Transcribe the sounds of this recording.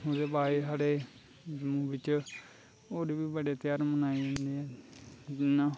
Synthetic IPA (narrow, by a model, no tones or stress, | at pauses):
oːd̪eːbaːesaːɽeː | d͡ʒəmũːbɪt͡ʃ | oːd̪iːbiːbəɖeːt̪ɪjaːɾmənaːiə̃ːnd̪iːɛː | naː